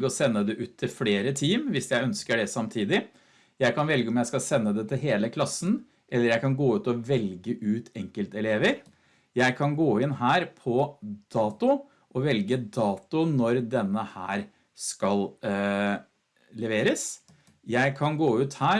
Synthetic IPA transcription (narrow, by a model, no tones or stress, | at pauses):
ɡəɔsɛnːəd̪ɛʔʉːt̪ʰːɪlfleːɾət̪ʰiːmʋɪsjæɪœnskəɖɛsɑmt̪ʰiːd̪ɪ | jæɪkɑnʋɛlɡəɔmjæɪskɑlsɛnːəd̪ɛt̪ʰɪlɦeːləkʰlɑsn̩ | ʔɛlːəɾjæɪkɑnɡoːʉːt̪ɔʋɛlɡəʔʉːt̪ʰɛŋkəlt̪ɛleːʋəɾ | jæɪkʰɑnɡoːɪnɦæːɾpʰɔd̪̥ɑːt̪ʊ | ʔɔʋɛlɡəd̪ɑːt̪ʊnɔɾd̪ɛnːəhæ̰ːɾ | skɑl | lɛʋeːɾəs | jæɪkʰɑnɡoːʉːt̪hæː